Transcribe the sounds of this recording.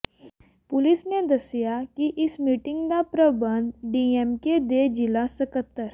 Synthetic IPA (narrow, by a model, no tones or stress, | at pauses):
pʊlɪsned̪ɐsjakiʔɪsmiːʈɪ̃ŋɡd̪apɾəbə̃nd̪ɖiːemked̪ed͡ʒɪlasəkət̪ːəɾ